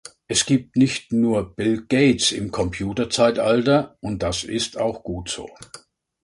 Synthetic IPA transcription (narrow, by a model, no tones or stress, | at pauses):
ʔɛsɡ̥iːp̚tnɪçtnuːɐb̥ɪlɡ̥eɪtsɪ̰mkʰɔmpʰjuːtɐt͡saɪtʔaltɐʔʊnt̚d̥asɪ̰staʊxɡ̥uːtz̥o̰ː